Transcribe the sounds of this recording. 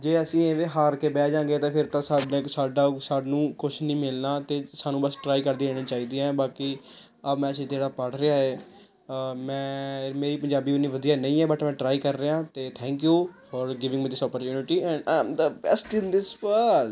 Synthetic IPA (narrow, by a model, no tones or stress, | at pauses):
d͡ʒeːəsĩːẽːʋeːɦaːɾkeːbɛːd͡ʒãːɡeːt̪ãːpʰɪɾt̪ãːsaːɖẽsaːɖaːsaːnũːkʊt͡ʃʰnĩːmɪlnaːt̪eːsaːnũːbəsʈɾaːiːkəɾd̪iːɾeːɽiːt͡ʃaːiːd̪iːɛːbaːkiː | əbmɛ̃ːsĩːt̪eːɽaːpəɽɾeaːɦeː | mɛ̃ːmeːɾiːpəɲd͡ʒaːbiːʊnːiːʋəd̪ijaːnəĩːɛːbəʈmɛ̃ːʈɾaːiːkəɾːeãːt̪eːt̪ʰɛ̃ːŋkjuːfɔːɾɡɪʋɪ̃ŋmiːd̪ɪsɔːpəɾt͡ʃjuːnɪʈiːɛ̃ɳɖã̰ɪmd̪əbɛ̰sʈɪ̃nd̪ɪspəl